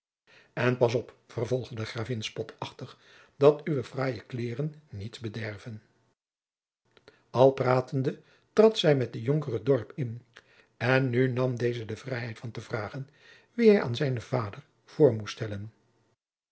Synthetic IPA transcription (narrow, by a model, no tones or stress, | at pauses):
ɛnpɑs̬ɔpfərvɔlˠχdədəχraːvɪnspɔtʰɑχtəχ | dɑtyʋəfraːjəklɪːrənːitsbədɛrvən | ɑlˠpraːtəndə | trɑtsɛjmɛt̚dəjɔŋkərədɔɹpɪn | ɛnːynɑmdejzədəv̥rɛjɦɛjtfɑntəvraːχən | ʋiɦɛja̰ːnzɛjnəvaːdər | v̥ʊːɹmusstɛlən